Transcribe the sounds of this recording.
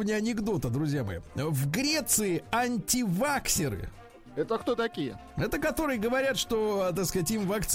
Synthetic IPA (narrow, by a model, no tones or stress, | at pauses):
nʲɪɐnʲɪɡd̪o̞t̪əd̪ɾʊzʲjamɐ̰jḭəvɡɾʲe̞t̪sɨɪɐnʲtʲɪvaksʲɪɾɨ̰ | ɛt̪əkt̪ot̪ɐkʲijə̰ | ɛt̪əkɐt̪o̞ɾɨjəɡəvɐɾʲat̪ʂt̪o̞t̪akskatʲimvɐkt̪s